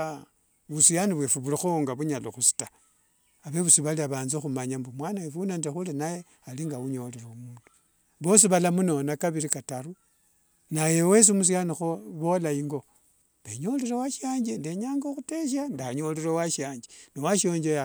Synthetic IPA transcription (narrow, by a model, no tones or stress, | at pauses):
βusijaniβwefuβulixoŋɡaβuɲaloxusi̥ta | aβeβusiβaliaβaːnzoxumaɲambumwanawefunantexulinaje | aliŋɡauɲo̞leɾeumuːndu̥ | βo̞s̬iβalamunonakaβiɾikataɾu | najewe̞s̬imus̬ijanixoβo̞laiŋɡo̞ | βeɲo̞leɾewaʃaːɲd͡ʒendeɲaːŋɡoxuteʃ̬andaɲo̞leɾewaʃaːɲd͡ʒeniwaʃo̞ːɲd͡ʒeja